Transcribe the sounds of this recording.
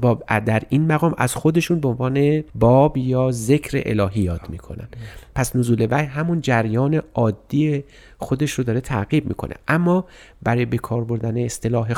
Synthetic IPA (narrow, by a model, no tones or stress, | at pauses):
bɒːd̪æɾiːnmæɣɒːmʔæ̰z̥xo̞d̪e̞ʃuːnbeonvɒːne̞bɒːbjɒːze̞kʰɾḛʔḛlɒːɦijɒːd̪miːkʰonæ̰npʰæsnozuːle̞væjɦæmund͡ʒæɾjɒːne̞ʔɒːd̪ːie | xo̞d̪e̞ʃɾod̪ɒːɾe̞t̪ʰæɣib̚mḭːkʰo̞̰nʔḛʔæmːɒː | b̥æɾɔːjebe̞kʰɒːɾbo̞ɾd̪æneːst̪e̞lɒːɦe